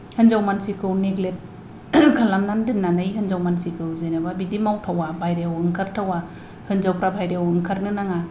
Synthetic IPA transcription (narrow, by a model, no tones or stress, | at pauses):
hɯnzawmansikʰɯwneɡlet̚ | kʰalamnandɯmnanɯjɦɯnzawmansikʰɯwzejnababidimawtʰawabʱajɾeawɯŋkʰaɾtʰawa | hɯnzawpɾabʱajɾeawɯŋkʰaɾnɯnaŋa